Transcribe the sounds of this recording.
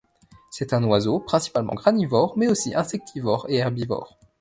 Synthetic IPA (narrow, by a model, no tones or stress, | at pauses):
sɛt̪ɛ̃nwazopχɛ̃si̥palmɑ̰̃ɡʁanivɔʁmɛosiʔɛ̃sɛk̚t̪ʰivɔʁeɛʁbivɔ̰ʁ